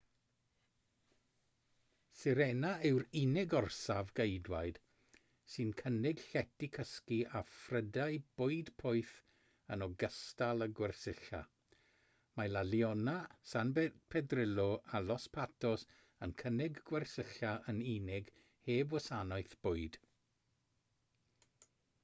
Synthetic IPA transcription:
sɪɾɛnaɪwɾinɪɡɔrsavɡejdwajd̥ | sɨnkʰənɪɡ̥ɬɛtikʰəskiʔafrədaɨb̥ʊɨdpʰɔɨθ | ənɔɡəstalˠəɡwɛrsɪɬa̰ | majlaljɔnasanbpʰɛdrɪlˠɔalˠɔspʰatʰɔs | ənkʰənɪɡɡwɛrsɪɬaʔəninɪɡ | heːbwəsanɔɨθb̥ʊɨd̥

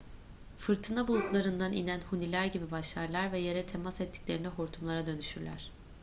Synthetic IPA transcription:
fɯɾt̪ʰɯnabulˠuklˠaɾɯnd̪anḭnænhunilʲæɾɟibibaʃlˠaɾlˠaɾvɛje̞ɾɛt̪ʰe̞masɛt̪ʰːi̥clʲe̞ɾinɛɦoɾt̪ʰumlˠaɾad̪ø̞nyʃyɾlʲæ̰ɾ̥

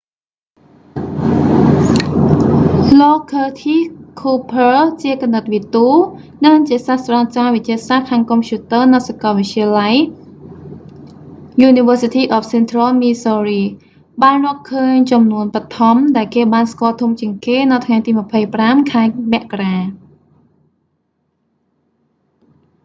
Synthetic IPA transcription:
lɔːkʰəːt̪ʰikʰuːpʰəːt͡ɕiəkɔmnːət̪̚ʋit̪uː | nɨŋt͡ɕiəsahsrat͡ɕaːʋɨt͡ɕiəsahkʰaːŋkompʰjuːt̪əːnɨwsakɑlʋɨc̚t͡ɕiəlaj | juːniʋəːsit̪ʰiːʔɔf̚ʰsent̪rəlmiːsoːriː | ɓaːnrɔ̆əhkʰəːɲt͡ɕɑmnuənpət̪ʰɑmɗaɛlkeːɓaːnskŏəlt̪ʰumt͡ɕiəŋkeːnɨwt̪ʰŋajt̪iːməpʰəjpramkʰaɛmɛ̆əʔkaraː

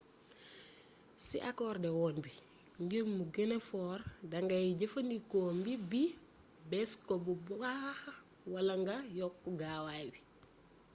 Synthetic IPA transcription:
sḭʔakɔːrdɛwɔːnbi | ŋɡimmːuɡelefɔːɾdɐŋɡɐjiɟɐfɐndikoːmbibi | bɛskɔbubuɡaax | wɐlɐŋɡɐjɔkːuɡaːwajbi

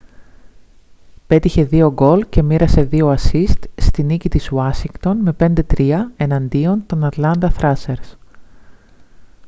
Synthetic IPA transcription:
pe̞t̪içe̞ðio̞ɡo̞lce̞miɾɐse̞ðio̞ɐsist̪st̪inicit̪izwɐsiŋɡt̪o̞nme̞pe̞nd̪e̞t̪ɾiɐe̞nɐnd̪io̞nt̪o̞nɐt̪lɐnd̪ɐθɾɐse̞ɾs

